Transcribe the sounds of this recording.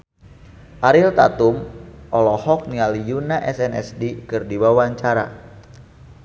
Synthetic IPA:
ʔaɾilt̪a̰t̪umʔɔlɔhɔk̚nialijunaʔɛsɛnɛ̰sdikɨrdiwawaɲt͡ʃaɾa̰

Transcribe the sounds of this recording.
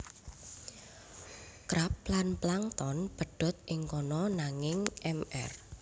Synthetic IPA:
kɾap̚lanplaŋt̪ɔnb̥ə̤ɖ̥ɔ̤t̪̚ʔɪŋkɔnɔnaŋɪŋʔɛmɛ̰r

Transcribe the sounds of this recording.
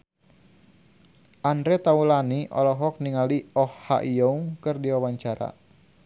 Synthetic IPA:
andɾɛt̪aulaniʔɔ̰lɔɦɔk̚niŋaliɔhːa̰ʔijɔuŋkɨrdiwawaɲt͡ʃaɾa̰

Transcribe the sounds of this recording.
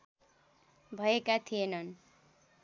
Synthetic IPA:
bʱʌekat̪ʰijenʌn

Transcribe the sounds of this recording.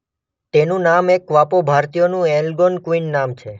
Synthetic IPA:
t̪enũnamekʋapobʱaɾt̪ijonũelɡonkuinːamt͡ʃʰe

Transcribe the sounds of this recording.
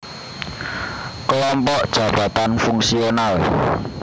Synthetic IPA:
kəlɔmpɔʔd̥ʒ̥ä̤b̥a̤t̪anfuŋsional

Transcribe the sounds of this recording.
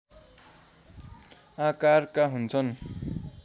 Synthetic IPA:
akarkaɦunt͡sʰʌn

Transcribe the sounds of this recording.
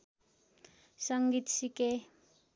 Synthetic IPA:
sʌŋɡit̪sike

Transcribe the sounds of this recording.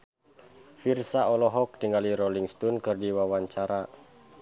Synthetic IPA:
firsaɔlɔɦɔk̚diŋaliɾɔliŋst̪ɔnkɨrdiwawaɲt͡ʃaɾa

